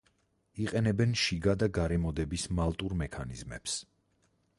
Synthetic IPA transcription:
iqʼɛnɛbɛnʃiɡad̪aɡaɾɛmɔd̪ɛbismalˠt̪ʼuɾmɛkʰanizmɛ̰ps

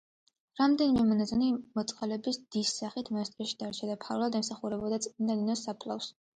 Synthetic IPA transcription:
ɾamd̪ɛnimɛmɔnazɔnimɔt̪sʼqʼalɛbisd̪̥isːaχit̪ʰmaɛst̪ʼɾaʃi̥d̪̥aɾt͡ʃʰad̪apʰaɾlˠad̪ɛmsaχuɾɛbɔd̪at̪sʼind̪aninɔsapʰlˠa̰fs

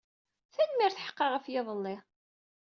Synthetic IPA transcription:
θænmɪɾθħə̥qːɑʁəfjɪðˤəlːɪ

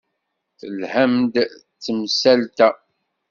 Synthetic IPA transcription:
θəlhæmd̪ | t͡sːəmsælt̪æ

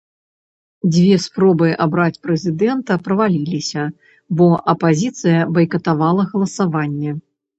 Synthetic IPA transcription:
d͡zʲvʲɛspɾɔbɨabɾat͡sʲpɾɛzʲid̪ɛnt̪ɐpɾɐvalʲilʲisʲɐ | bɔʔɐpazʲit̪sɨjɐbɐjkɐt̪avalˠɐɣɐlˠɐsavanʲːɛ

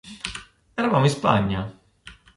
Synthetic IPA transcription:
ɛɾavaːmoĩnspa̰ɲːa

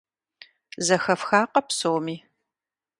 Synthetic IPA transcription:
zɐxɐfxaːqɐpsoːmiː

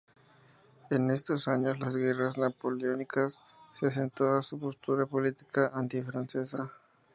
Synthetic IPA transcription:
e̞ne̞st̪o̞saɲo̞slazɣe̞raznapo̞leonikasː | eas̬ent̪oðasupo̞st̪uɾapo̞lit̪i̥kaʔant̪ifɾanse̞sa

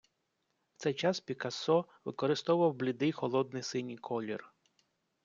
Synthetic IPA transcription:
wt̪sɛjt͡ʃɑspʲikɐsɔ | ʋɪkɔɾɪst̪ɔʊʋɐwblʲɪd̪ɪjxɔlˠɔd̪̚nɪjsɪnʲikʰɔlʲḭr

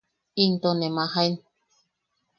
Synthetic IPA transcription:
int̪onemahain

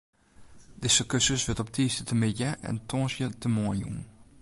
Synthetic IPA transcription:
dɪsəkøsəsʋɪtɔp̚tʰiːstətʰəmɪdəʔɛ̰ntʰɔːsjətəmɔənṵn

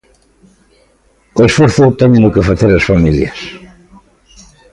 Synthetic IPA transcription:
oesfoɾθʊt̪ɛɲẽnʊkɪfaθeɾɐsfamiljɐs

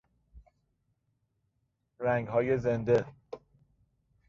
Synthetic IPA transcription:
ɾæŋɡhɒːje̞zend̪e̞

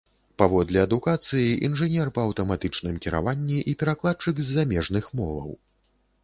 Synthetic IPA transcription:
pavɔd̪lʲɛɐd̪ukat̪sɨjiʔḭnʐɨnʲɛrpɐɐwt̪ɐmat̪ɨt͡ʂnɨmkʲiɾa̰vanʲːiʔipʲɛɾaklˠat̪̚t͡ʂɨkzʲːamʲɛʐnɨxmɔvɐ̰w

